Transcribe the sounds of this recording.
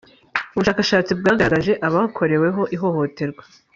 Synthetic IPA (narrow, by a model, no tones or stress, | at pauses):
uβuʃaːkaʃaːt͡sibɡaːŋɡaɡaʒe̞ʔaβakʰo̞ɾe̞we̞ɦo̞ʔiɦo̞ho̞te̞ɾɡwḁ